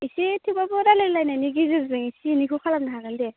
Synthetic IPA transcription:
isitʰibabɯɾalɯlajnaniɡizɯzbɯŋisiːnikʰukʰalap̚naɦaɡande

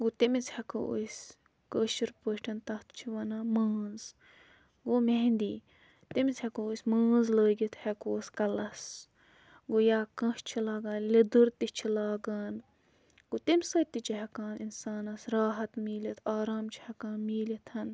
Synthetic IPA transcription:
ɡot̪imit͡shɐkʰoo̰ːsʲ | kəːʃiɾpəːʃʈʰɐnt̪ɐht̪ʰt͡ʃʰiʋɐnaːmɐːnz | ɡoːmeɦnd̪iː | t̪imit͡shekoːsʲmɐ̃ːnzləːɡit̪ʰhɛkoːskɐlɐs | ɡoːjaːkɐ̃ʃt͡ʃʰilaːɡaːnled̪uɾt̪it͡ʃʰilaːɡaːn | ɡot̪emʲsɐt̪it͡ʃʰiɦɐkaːninsaːnɐsɾaːɦɐt̪miːlɐt̪ʰaːɾaːmt͡ʃʰi̥hɐkaːnmiːlɐt̪ʰhɐn

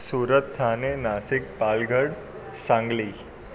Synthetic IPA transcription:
suːɾət̪ːʰaːnenaːsɪk̚paːlɡʱəɽ | sãŋɡliː

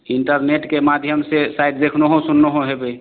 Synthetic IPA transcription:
iɳʈəɾneʈkemad̪ʱjəmsesajʈ̚d̪ekʰnoɦõsunːoɦõɦebe

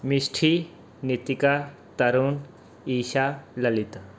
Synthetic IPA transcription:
misʈʰi | nit̪ika | t̪ɐɾuːn | iːʃalɐlit̪

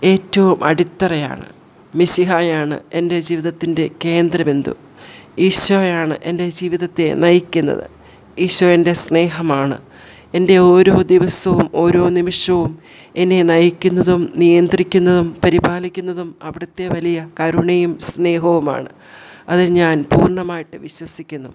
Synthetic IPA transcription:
e̞ːtːɐʋumʔɐ̰ɽit̪ːɐrɐja̰ːɳɨ̰ | misiɦaːjaːɳɨ̰e̞nde̞d͡ʑiːʋiðɐt̪ːinde̞ke̞ːnd̪ɾɐme̞nd̪ṵ | iːɕɐjaːɳɨ̰ʔe̞nde̞d͡ʑiːʋiðɐt̪ːe̞nɐjikʲːunːɐ̰ðɨ̰ | iːɕɐende̞sne̞ːɦɐmaːɳɨ̰ | e̞nde̞o̞ːɾo̞ːd̪iʋɐsɐʋumo̞ːɾo̞ːnimiʂɐʋum | e̞nːe̞nɐjikʲːunːɐðumnijɐnd̪rikʲːunːɐðumpɐɾibaːlikʲːunːɐðumɐʋiɽɐt̪ːe̞ʋɐlijɐkɐɾuɳejumsne̞ːɦɐʋuma̰ːɳɨ | ɐðiɲaːnpuːrɳɐmaːjiʈːɨʋiɕwɐsikʲːunːu

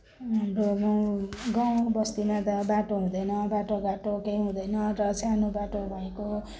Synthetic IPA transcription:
amromʌɡãbʌst̪imat̪ʌbaʈoɦũd̪ʌjnʌbaʈoɡaʈokejɦũd̪ʌjnʌrʌt͡sʰanobaʈobʱʌẽko

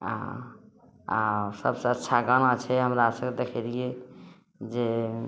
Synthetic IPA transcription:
asəbsəətːʃʰaɡəñat͡ʃʰɛɦəmɾasə̃ŋɡed̪ekʰɛlie | d͡ʒe

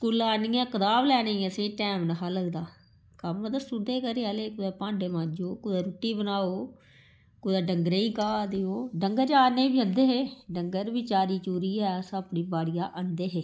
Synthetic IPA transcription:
kuːlaːniːãːkəd̪aːblɛːneːəsẽːʈɛːmnəkaːləɡd̪aː | kəmd̪əst̪ud̪eːkəɾeːaːleːkʊd̪eːpãːɳɖeːmãːd͡ʒoːkʊd̪aːɾuʈːiːbənaːoː | kʊd̪aːɖəŋɡɾeiːkaːd̪eːoːɖəŋɡəɾd͡ʒaːneːbiːə̃nd̪eːɦeːɖəŋɡəɾʋɪt͡ʃaːɾiːt͡ʃuːɾiːɛːsəpniːbaːɽɪjaːʔənd̪eːɦeː

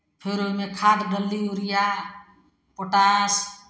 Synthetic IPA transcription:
pʰeɾolmekʰaːd̪ɡəlːiuɾija | poʈaːs

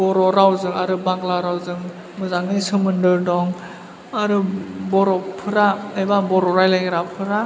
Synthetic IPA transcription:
bɔɾɔɾawzɯŋaɾɯbaklaɾawzɯŋ | mɯzaŋnisɯmɯndɯɾdɔŋ | aɾɯbɔɾɔpʰɯɾaajbabɔɾɔɾajlajɡɾapʰɯɾa

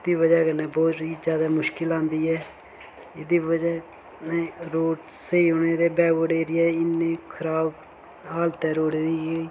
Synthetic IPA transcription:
d̪iːʋəd͡ʒəkənɛ̃ːboːt̪ɾiːd͡ʒjaːd̪aːmʊʃkɪlãːnd̪iːɦɛː | ɪd̪iːʋəd͡ʒə | nɛ̃ːɾoːʈseiːɦoːneːd̪eːbɛːʋoːɽeːɾiːɛːɪnːẽːkʰəɾaːb | ɦaːlt̪ɛːɾoːɽeːɾiːeː

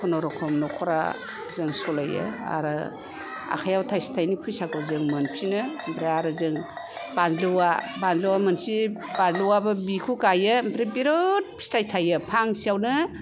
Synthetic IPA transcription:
kʰɔnɔɾɔkʰɔmnɔkʰɔɾa̰ | zɯŋsɔlajɯ̰a̰ɾɯ | a̰kʰajawtʰajsi̥tʰajnipʰɯjsakɔzɯŋmɯnpʰinɯmbɾeaɾɯzɯŋ | b̥anluwabanluwamɯnsi | b̥anluwabɯbikʰukajɯmbɾebiɾot̚pʰi̥stʰajtʰajɯpʰaŋsijawnɯ

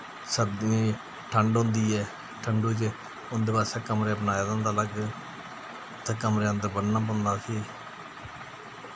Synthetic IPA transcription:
səbd̪ĩ | ʈʰəɳɖɦʊ̃nd̪iːɛː | ʈʰəɳɖuːt͡ʃ | ʊnd̪eːbaːseːkəmɾeːəp̬naːjad̪ə̃nd̪aːləɡ | t̪ʰːeːkəmɾeãːt̪ebənnãːp̬ːnd̪aːsiː

